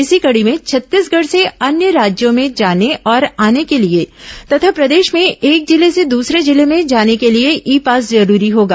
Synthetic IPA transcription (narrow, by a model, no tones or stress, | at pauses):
ɪsikɐɽimẽt͡ʃʰɐt̪ːiːsɡʱɐɽseɐnjəɾaːd͡ʒjõmẽd͡ʒaːneʔɔːɾaːnekeliet̪ɐt̪ʰapɾɐd̪eːʃmẽʔeːk̚d͡ʒɪlesed̪uːsɾed͡ʒɪlemẽd͡ʒaːnekelieʔiːpaːs̬zɐɾuːɾiɦoːɡaː